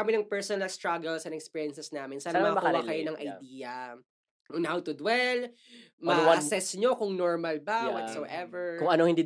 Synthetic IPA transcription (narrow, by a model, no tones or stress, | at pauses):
ɐmɪnɐŋpɛɹsɔnɐlɐst̪ɹaɡɛlsɐnɛkspiːɹjɛnsɛsnaːmɪnsaːnɐmɐɐkuɐkɐjonɐŋʔɐ̰jd̪iːjɐ | nhawt̪ʊd̪wɛl | mɐnɐsɛsɲokʊŋnoɹmɐlbawɐt̪sowʔɛvɛɹkʊŋɐnohɪnd̪iː